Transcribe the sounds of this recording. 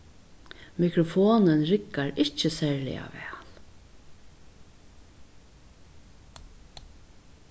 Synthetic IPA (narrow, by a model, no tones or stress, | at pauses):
mɪkɾɔfoːnənɾɪkːaɾɪht͡ʃːəsɛːɹlɪ̰a̰vɛ̰ːl